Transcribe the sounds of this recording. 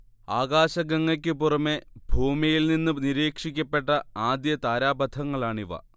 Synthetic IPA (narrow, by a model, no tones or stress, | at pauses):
aːɣaːɕɐɡɐŋːɐk̬ʲːɨpurɐmːe̞bʱuːmijilninːɨniɾiːkʂikʲːɐpːe̞ʈːɐaːd̪jɐt̪aːɾaːbɐd̪ʰʱɐŋːɐɭaːɳiʋɐ̰